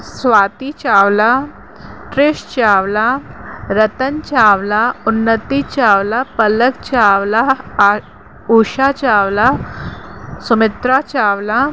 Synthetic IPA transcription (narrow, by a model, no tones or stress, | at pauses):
sʋat̪it͡ɕaʋla | ʈɾeɕt͡ɕaʋlaɾət̪ənt͡ɕaʋlaunːət̪it͡ɕaʋlapələkt͡ɕaʋla | uɕat͡ɕaʋla | sumɪt̪ɾat͡ɕaʋla